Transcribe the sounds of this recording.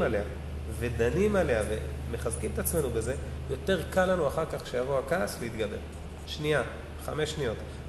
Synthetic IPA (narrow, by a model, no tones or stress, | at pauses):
alea | ve̞d̪animale̞aveme̞χazkimet̪at͡sme̞nubeze̞ | jo̞te̞ʁkalːanuaχaʁkaχʃe̞javoakaːsleit̪ɡabe̞ʁ | ʃnia | χa̰meʃnijo̞t̪